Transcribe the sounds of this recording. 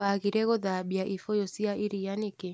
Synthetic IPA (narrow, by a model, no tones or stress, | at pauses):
aɣiɾɛɣɔðaɓjaʔifɔjɔsiaʔiɾijanike